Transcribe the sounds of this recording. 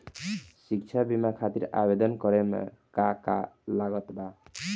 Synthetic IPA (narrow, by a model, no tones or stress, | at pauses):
ʃikt͡ʃʰabimakʰat̪iɾa̰bed̪ɔnkɔɾɛmkakalaɡɔt̪ba